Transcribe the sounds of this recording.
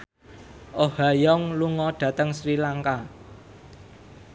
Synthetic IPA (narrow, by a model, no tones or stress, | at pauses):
ʔohajɔŋluŋɔɖ̥ä̤t̪əŋsɾilaŋka